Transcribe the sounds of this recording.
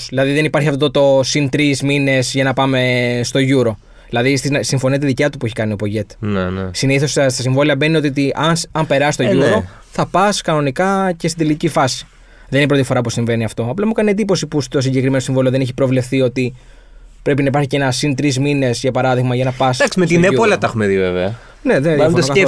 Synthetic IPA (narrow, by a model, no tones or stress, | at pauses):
sðilɐðiðe̞nipɐɾçiɐft̪ot̪ot̪osint̪ɾizmine̞zʝɐnɐpɐme̞st̪o̞ʝuɾo̞ | ðilɐðist̪insiɱfonit̪eðicɐt̪upueçikɐniopo̞ʝe̞t̪nsiniθosst̪ɐsiɱvo̞liɐbe̞nio̞t̪iot̪iʔɐnsɐmpe̞ɾɐsist̪oʝuɾo̞ | θɐpɐskɐno̞nikɐcest̪id̪elicifɐsi̥ | ðeninipɾo̞t̪ifo̞ɾɐpusiɱve̞niɐft̪o̞ɐplɐmukɐnied̪ipo̞sipust̪o̞siɲɟe̞kɾime̞nosiɱvo̞lioðeneçipɾo̞vle̞fθio̞t̪i | pɾe̞pinɐipɐɾçicenɐsint̪ɾizmine̞sʝɐpɐɾɐðiɣmɐʝɐnɐpɐsd̪ɐksimet̪ineuolɐt̪ɐxumeðiveveɐ | neðeoɐ